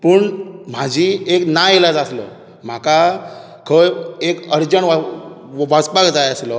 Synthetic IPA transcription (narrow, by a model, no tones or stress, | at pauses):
pəɳm̤ad͡ʑʱieknajelad͡zaslɔ̰ | m̤aka | kʰəjekəɾd͡ʑəɳ | ʋaspaɡd͡zajəslɔ